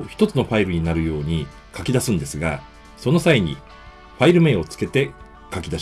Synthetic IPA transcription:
çi̥t̪o̞t͡sɨno̞ɸaiɾɯ̟ɲ̟inaɾɯ̟jo̞ːɲ̟i | kakʲid̪asɨ̃nd̪e̞sɨɡa̰ | so̞no̞saiɲ̟ḭ | ɸaiɾɯ̟me̞ːo̞t͡sɨ̥ke̞t̪e̞ | kakʲid̪aɕ

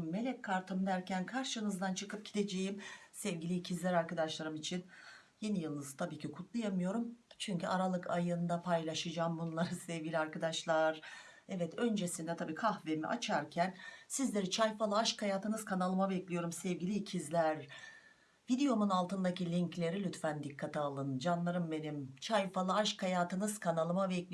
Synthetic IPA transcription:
mːe̞lʲɛckːaɾt̪ʰɯmd̪æɾcʰænkʰaɾʃɯnɯzd̪ant͡ʃʰɯkɯp̚ɟid̪e̞d͡ʒejimsɛvɟilʲicʰizlʲæɾaɾkad̪aʃlˠaɾɯmit͡ʃʰin | je̞nijɯlˠnɯzɯt̪ʰabiːcʰikʰut̪ʰlˠajamɯjo̞ɾumt͡ʃʰyɲcyaɾalˠɯkʰajɯnd̪apʰajlʲˠaʃɯd͡ʒaːmbunlˠaɾasɛvɡilʲiaɾkad̪aʃlˠaɾ | ɛvɛt̪ʰø̞nd͡ʒe̞sind̪ɛt̪ʰabiːkʰahvemḭʔa̰t͡ʃʰaɾcʰænsizlʲe̞ɾit͡ʃʰajfalˠɯaʃkʰajaːt̪ʰɯnɯz̥kʰanalˠɯmabɛclʲijo̞ɾumsɛvɟilʲicʰizlʲæɾ | vid̪ejo̞munalˠt̪ʰɯnd̪acilʲiɲclʲe̞ɾilʲyt̪fænd̪ikʰːat̪ʰialˠɯnd͡ʒanlˠaɾɯmbe̞nimt͡ʃʰajfalˠɯaʃkʰajaːt̪ʰɯnɯz̥kʰanalˠɯmabɛclʲi

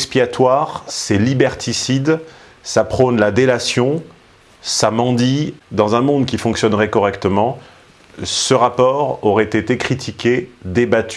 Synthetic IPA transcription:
kspiat̪waʁsɛlibɛʁt̪ʰisid̪ | sapχonlad̪elasjɔ̃ | samɑ̃d̪id̪ɑ̃zɛ̃mɔ̃d̪kʲifɔ̃ksjɔnʁɛkɔʁɛkt̪əmɑ̃ | səʁapɔʁɔʁɛt̪et̪ekχit̪ʰikʲed̪ebat̪y̥

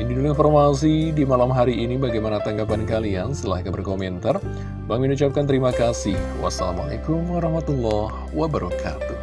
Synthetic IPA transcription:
induduinfɔrmas̬idimalamɦaɾiːnibaɡajmanat̪aŋɡapankaliansəəlahkabərkomɛnt̪ar | baŋminut͡ʃap̚kant̪əɾimakasɪhwa̰sala̰ma̰la̰kumwaɾɑhmat̪ulɔh | wabəɾakʰa̰t̪u

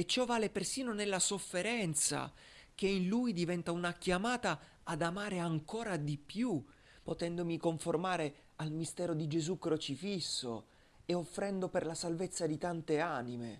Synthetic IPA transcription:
et͡ʃːɔvːaːlepersiːnonelːasofːeɾɛnt̪sa̰ | k̟einlujd̪ivɛnt̪aunakjamaːt̪aː | d̪amaːɾeaŋkoːɾad̪ipju | pot̪ɛnd̪omikoɱformaːɾe | almist̪ɛːɾod̪id͡ʒezukːɾot͡ʃifisːo̰ | eofːɾɛnd̪operlasalvet̪sːad̪it̪ant̪eaːnimḛ

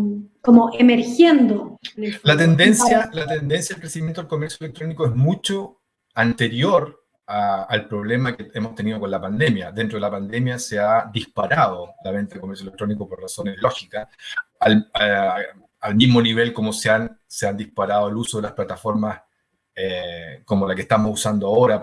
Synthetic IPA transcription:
komoʔemeɾxjend̪olat̪end̪ensjalat̪end̪ensjaðelkɾesimjent̪oelkomeɾsjoelek̚t̪ɾonikoezmut͡ʃo | ant̪eɾjoɾ | aːlpɾoβlemakeemost̪eniðoko̞nlapand̪e̞mjaðe̞nt̪ɾoðelapand̪e̞mjaseaðihpaɾaðolaβent̪aðelkomeɾsjoelek̚t̪ɾonikoporraso̞neloxikasal | almizmo̞niβe̞lkomoseanseand̪ihpaɾaðoelusoðelahplat̪afo̞ɾmas | ekomolakeht̪amosusand̪oaoɾa

